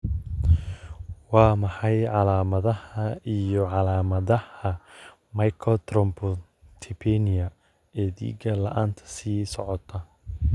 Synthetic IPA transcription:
wɑːmɑħɑjʕɑlaːmɐðɐhɐijɔʕɑlaːmɐðɐhɐ | mɐjkʰɔt̪ʰɾɔmpʰɔ | t̪ʰɪpʰɛnɪjɐ | ɛːðḭːɡɐlɐ̰ʔaːnt̪ʰɐ̥siːsɔʕɔt̪ʰɐ

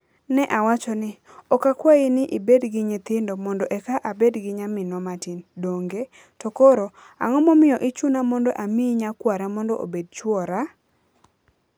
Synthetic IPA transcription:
nɛʔawat͡ʃɔnɪ | ɔkakwaɪnɪʔibedɡɪɲɪt̪ɪndomɔndɔʔɛkaʔabedɡɪɲamɪnɔmatindoŋɡe | tɔkoɾo | a̰ŋɔmɔmɪjɔʔit͡ʃunamɔndɔ̰ʔamiɲakwaɾamɔndɔʔo̰bed̚t͡ʃwɔɾa

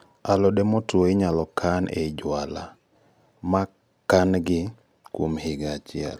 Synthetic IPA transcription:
alɔdɛmɔtoɪɲalɔkʰanʔed͡ʒwala | ma | kanɡɪ | kwomhɪɡat͡ʃɪɛ̰l

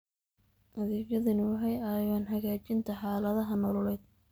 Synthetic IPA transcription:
ʔɐðɛːɣɐðɐnɪwɦɛjɐjaːnɦɐɣaːt͡ʃɪnt̪ʰɐħɑːlɐðɐɦɐnɔːlʊlɛjd̪̚

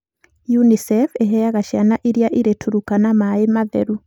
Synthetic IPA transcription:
junisɛfeɦɛaɣaʃjanaʔiɾjaʔiɾetʰuɾukanamaemaðɛ̰ɾu

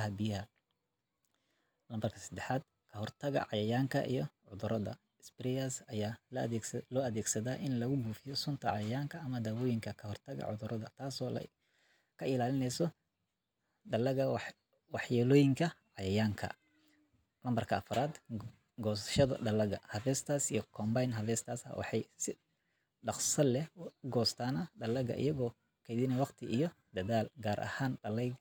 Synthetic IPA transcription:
ɦɐbɪjɐɦɐ | lɐmbɐrkʰɐ̥sɐd̪ɛħaːd̪̚ | kʰɐhɔrt̪ʰɐɣɐ̰ʕɑjɐjaːŋkʰɐʔḭjɞʕʊðʊɾɐðɐ̰ | sbrɛjasɐjaː | lɔːɐðɛːɡsɐðaːʔɪnlɐɣʊɡuːfɪjɔsʊnt̪ʰɐʕɑjɐjaːŋkʰɐːmɐd̪aːwɔːjɪŋkʰɐkʰɐɦɔrt̪ʰɐɣɐ̰ʕʊðʊɾɐðɐt̪ʰaːsɔːlɐ̰ | kʰɐɪlaːlɪnɛjsɔ | ɖɐlɐɣɐ | wɑħjaːlɔːjɪŋkʰɐʕɑjɐjaːŋkʰɐ̰ | lɐmbɐrkʰɐːfɐɾaːd̪ | ɡɔːsɐ̥ʃɐðɐ̰ɖɐlɐɣɐ̰hɐfɛːst̪ʰaːsijɔkʰɔːmbajnɦɐfɛːst̪ʰaːsɐ̰wɑ̰ħɑjsɪ | ɖɑqsɐlɛɡɔːst̪ʰaːnɐɖɐlɐɣɐ̰ʔɪ̰jɐɣɔː | kʰɛjðɪnɛwɑqt̪ʰɪʔijɔd̪̥ɐðaːlɡaːɾʔɐ̰haːnɖɐlɛj

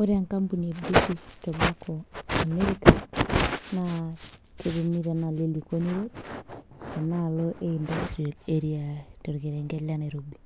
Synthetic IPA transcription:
oɾeaŋkampuniebɾitiʃtɔmakɔameɾika | nakeβomiɾanalelikoniɾot | analoʔeindastɾialeɾiatoɾɣeɾeŋɡɛlaneɾobi

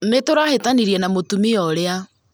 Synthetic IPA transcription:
netoɾahetaniɾiɛnamotumiɔɾea

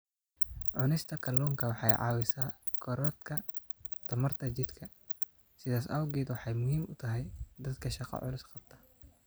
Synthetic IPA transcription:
ʕʊnɪst̪ʰɐkʰɐlːɔːŋkʰɐwɑħɑjʕɑ̰ːwɪsaː | ɡʰɔɾɔt̪kʰɐ | t̪ʰɐmɐrt̪ʰɐt͡ʃɪd̪kʰɐ | sɪðaːsɐwɡɛːd̪wɑħɑjmʊhiːmʊt̪ʰɐɦɛjd̪ɐd̪kʰɐʃɑqɑ̰ʕʊ̰lʊsqɑb̥̚t̪ʰɐ̥

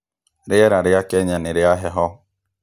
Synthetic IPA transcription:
ɾɪɛɾaɾɪakɛɲanɪɾɪaɦɛɦɔ

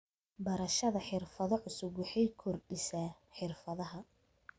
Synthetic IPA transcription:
bɐɾɐʃɐðɐħɪrfɐðɔʕʊsʊɡwɑħɛjkʰɔrɖɪsaːħɪrfɐðɐɦɐ

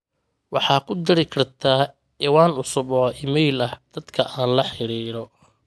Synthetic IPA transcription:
wɑħɑːkʰʊd̪ɪɾɪkʰɐrt̪ʰaː | ɛwaːnʊsʊbɔɪmɛjlɐhd̪̥ɐd̪̥kʰɐʔaːnlɐħɪɾiːɾɔ

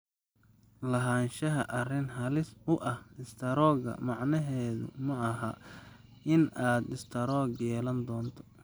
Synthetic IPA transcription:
lɐɦaːnʃɐɦɐʔɐrɪnɦɐlɪsʊʔɐhdɪst̪ʰɐɾɔːɡɐ̰mɑʕnɐɦɛːðʊ̰mɐɐɦɐ | ɪnaːd̪ɪst̪ʰɐɾɔːɡjɛːlɐnd̪ɔːnt̪ʰɔ̥

